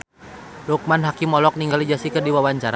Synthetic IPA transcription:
luk̚manɦakimɔlɔk̚niŋɡalid͡ʒasikɨrdiwawaɲt͡ʃaɾa

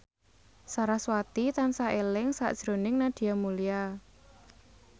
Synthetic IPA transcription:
saɾaswat̪it̪ansaʔelɪŋsa̰ʔd̥ʒ̥ɾonɪŋnad̪̥i̤jamulija

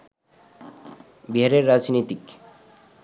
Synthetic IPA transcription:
biɦaɾeɾːad͡ʒnit̪ik

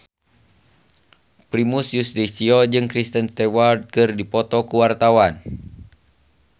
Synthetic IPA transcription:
pɾimusjustisiɔd͡ʒɨŋkɾist̪ənst̪ɛward̪̚kɨrdipɔt̪ɔkuwart̪awan

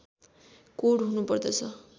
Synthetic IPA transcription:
koɽɦunupʌrd̪ʌt͡sʰʌ

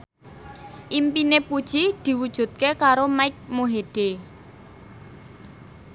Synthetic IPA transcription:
ʔimpinepud̥ʒ̥id̪̥i̤wud̥ʒ̥ṳt̪̚kekaɾomaɪk̚moɦeɖ̥e

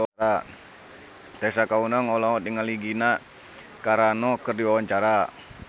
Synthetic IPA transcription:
a | t̪ɛsakaunaŋɔlɔɔt̪iŋaliɡina | kaɾanɔkərdiwawaɲt͡ʃaɾa

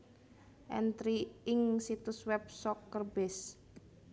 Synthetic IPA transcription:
ʔɛ̰nt̪ɾiɪŋsit̪ʊswɛb̚sɔkːərbɪs

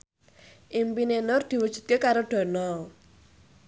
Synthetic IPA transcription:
ʔimpinenʊrd̪̥i̤wud̥ʒ̥ṳt̪̚kekaɾoɖ̥ɔ̤nɔ

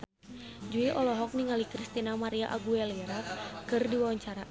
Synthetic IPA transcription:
d͡ʒuiʔɔlɔɦɔk̚niŋalikɾist̪inamaɾiaʔaɡuɛliɾakɨrdiwawaɲt͡ʃaɾa

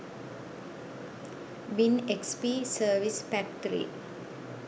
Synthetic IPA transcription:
binekspisəʋisfɛk̚ʈɾḭ

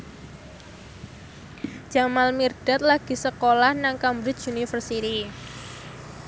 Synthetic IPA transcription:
ʒ̥a̤malmird̥a̤t̪̚laɡ̥i̤səkolahnaŋkambɾɪt͡ʃunifərsit̪i

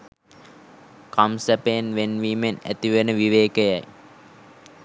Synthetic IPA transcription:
kamsæpenʋenʋiːmenæ̰t̪iʋenəʋiʋeːkəjaj

